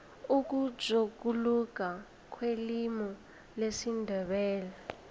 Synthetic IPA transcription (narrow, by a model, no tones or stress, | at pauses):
uk̬u̥ʒ̥ʱokuluk̬ʼa | kʰwelimɔ | lesindʱɛɓɛːla